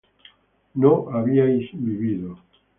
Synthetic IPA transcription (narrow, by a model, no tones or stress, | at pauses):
noʔaβiajsbiβiðo